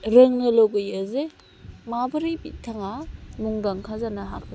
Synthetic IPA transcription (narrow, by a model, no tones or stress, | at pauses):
ɾɯŋnɐloɡɯjaze | mabɯɾibḭtʰaŋamuŋdaŋkʰazanaɦak̚ʰ